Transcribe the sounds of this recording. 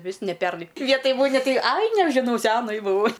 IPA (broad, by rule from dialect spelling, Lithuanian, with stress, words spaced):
ˈʋʲɪs nʲɛ ˈpʲɛrnɐɪ ˈʋʲiɛtoːj ˈmʊnʲɪ ˈtɐɪ ˈɐɪ nʲɛʒʲɪˈnɐʊ ˈsʲæːnɐɪ bʊˈʋɐʊ